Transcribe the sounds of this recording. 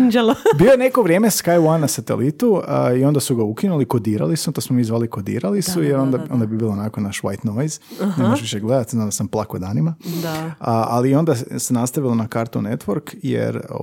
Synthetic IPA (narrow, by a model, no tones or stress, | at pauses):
d͡ʒelobiːlojene̞ko̞ʋɾje̞ːmeskajuwanːasat̪e̞̰lit̪uio̞nd̪asuɡaukinuliko̞d̪iːɾa̰lisut̪osmomiːzʋaːlikod̪ḭːɾalisujeɾo̞nd̪ao̞nd̪abibiːloonakonaʃʋa̰jt̪nojznemoʒʋiʃeɡle̞d̪at̪izaːnd̪asamplˠakod̪aːnimad̪aa̰lio̞nd̪asenast̪aʋilˠo̞nakaːɾt̪ṵne̞t̪ʋoɾkjḛɾ